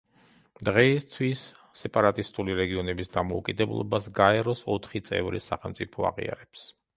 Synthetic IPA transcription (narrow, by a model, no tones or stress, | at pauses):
d̪ʁɛist̪ʰwisː | ɛpʼaɾat̪ʼist̪ʼuliɾɛɡiɔnɛbisd̪amɔukʼid̪ɛblˠɔ̰basɡaɛɾɔsɔt̪ʰχit̪sʼɛ̰vɾḭsaχɛlˠmt̪sʼipʰɔa̰ʁḭa̰ɾɛps